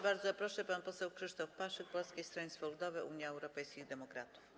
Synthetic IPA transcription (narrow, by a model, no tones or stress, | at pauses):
baɾd̪zɔpɾɔʂɛpanpɔsɛwkʂɘʂt̪ɔfpaʂɘk̚pɔlskʲejst̪ɾɛɲʲsfɔlud̪ɔvɘʔuɲjaɛwɾɔpɛjskʲiɣd̪ɛmɔkɾat̪uf